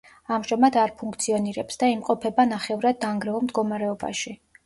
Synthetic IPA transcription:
amʒamad̪aɾpʰuŋkʰt̪sʰiɔniɾɛpsd̪aimqʼɔpʰɛbanaχɛvɾad̪ːaŋɡɾɛɔmd̪ɡɔmaɾɛɔba̰ʃi

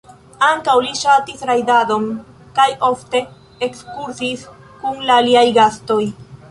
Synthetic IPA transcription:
aŋkawliʃatisɾajdado̞m | kajo̞fte̞ː | kskuɾsis | kuŋlaːliajɡasto̞j

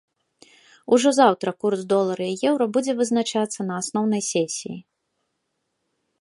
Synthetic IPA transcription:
uʐɔzawt̪ɾɐkursd̪ɔlˠɐɾɐijɛwɾɐbud͡zʲɛvɨznat͡ʂat̪sːɐnɐːsnɔwnɐjsʲɛsʲḭji

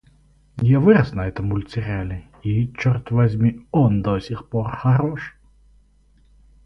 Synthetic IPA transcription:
javɨɾɐsnɐɛt̪ɐmʊlʲt͡s̪ʲɪɾʲalʲɪ | it͡ʃɔrt̪vɐzʲmʲiɔnd̪ɔsʲixpɔrxɐɾɔʂ

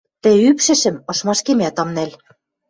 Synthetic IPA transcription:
t̪ɘ̆ypʃɘ̆ʃɘ̆mɤ̆ʃmɑʃkemʲæt̪ɑmnæl

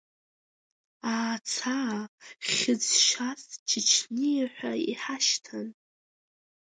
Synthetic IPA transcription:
aːt͡sʰaχʲɪd͡zʃast͡ʃʰɪt͡ʃʰnijaħʷaiħaʃtʰan

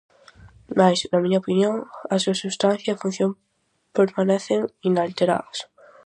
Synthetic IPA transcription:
majsnɐmiɲaopinjõŋɐsːuɐsust̪ãn̟θjɐfũn̟θjõm | peɾmanɛθeŋinalt̪eɾa̰ðɐs

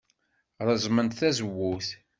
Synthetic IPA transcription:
ɾˤəzˤmənt̪θæzəwːuθ

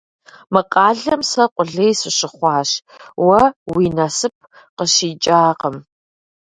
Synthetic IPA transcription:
mɨqʼɑːɮɐmsɐqʷʼʊɮejsɨɕɪχʷɑːɕ | wɐwiːnɐsɨp̚ʰ | qəʃiːt͡ʃʼaːqəm

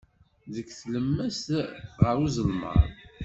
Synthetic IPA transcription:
ðəkːθləmːæst̪ʁəɾuzəlmə̰ɾˤ

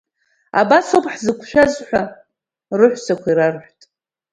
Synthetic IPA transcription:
a̰basopʰʼħzɨkʷʰʃᶣazħʷᶣa | rɨħʷt͡sʰakʷʰaiɾarħʷtʼ

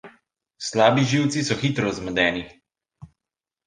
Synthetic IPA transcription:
slaːbiʒiwt̪sisɔxit̪ɾɔzməd̪ɛːni

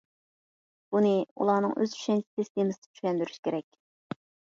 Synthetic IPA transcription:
b̥unɨṵlˠɑnɨ̰ŋʔø̰zy̥ʃɛnt̪ɪ̥t̪ʰest̪emɪsɪd̪̥ɪt͡ʃʰyʃʲlʲɛnd̪yɾyʃkʲʰeɾɛkʲ

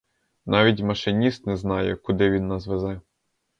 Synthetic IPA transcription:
nɑʋʲitʲmɐʃɪnʲist̪nɛznɑjɛkʊd̪ɪʋʲinːɐzʋɛzɛ

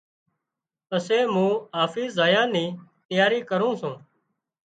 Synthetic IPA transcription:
əseːmũːɦaːfiːszaːjãːnĩːt̪əjaːɾiːkəɾũːsũː

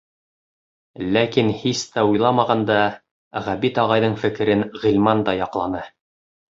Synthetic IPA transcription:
lækinhist̪æujlˠɑmɑʁɑnd̪ɑ | ʁæbit̪ɑʁɑjðɤɴfɘ̆kɘ̆ɾɘnʁĭlʲmɑnd̪ɑjɑqlˠɑnɤ

